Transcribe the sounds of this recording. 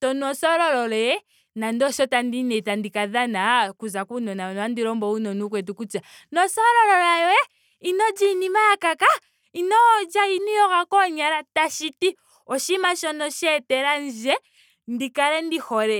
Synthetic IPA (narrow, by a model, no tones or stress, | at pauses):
ʃɔnɔsɔɾɔɾɔlɛɛ | nandɔʃɔtandinɛtandikaðanakuzakunɔnanandiɾɔmbɔunɔnukwɛt̬ukut͡ʃa | nɔsɔɾɔlɔlajɔɛ | inɔd͡ʒinimajakaka | inɔːd͡ʒainijɔɣakɔɲaɾataʃiti | ɔʃimaʃɔnɔʃɛtɛɾand͡ʒɛ | ndikaɾɛndihɔɾɛ